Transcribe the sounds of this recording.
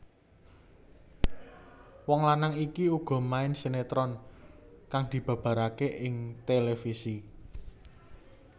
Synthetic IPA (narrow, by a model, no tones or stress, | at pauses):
wɔŋlanaŋikiuɡ̥ɔ̤maɪnsenet̪ɾɔn | kaŋd̪̥i̤b̥ä̤b̥ä̤ɾakeʔɪŋt̪elefisi